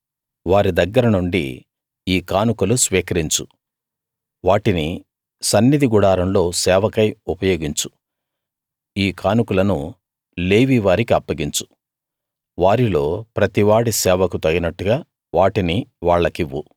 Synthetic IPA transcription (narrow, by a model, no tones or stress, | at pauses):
ʋaːɾid̪ɐɡːɐɾɐnuɳɖḭ | iːkaːnukulusʋiːkɐɾiɲt͡ʃu | ʋaːʈini | sɐnːid̪ʱiɡuɽaːɾɐmlo̞ːsɛːʋɐkɐjupɐjo̞ːɡiɲt͡ʃu̥ | iːkaːnukulɐnu | leːʋiʋaːɾikiɐpːɐɡiɲt͡ʃu̥ | ʋaːɾilo̞ːpɾɐt̪iʋaːɽisɛːʋɐkut̪ɐɡinɐʈːuɡaː | ʋaːʈiniʋaːɭːɐkiʋːu